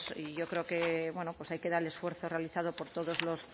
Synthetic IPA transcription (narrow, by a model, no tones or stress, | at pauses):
siʝo̞kɾeokeβwe̞nopwosajke̞ðaɾele̞sfwe̞ɾθorealiθað̞opo̞ɾt̪oðozlo̞s